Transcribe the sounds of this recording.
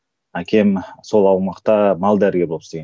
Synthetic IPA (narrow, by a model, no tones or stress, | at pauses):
ækʲʰe̞mso̞lˠɑwmɑqt̪ɑmɑlˠd̪æɾɡʲe̞bolˠpseɡe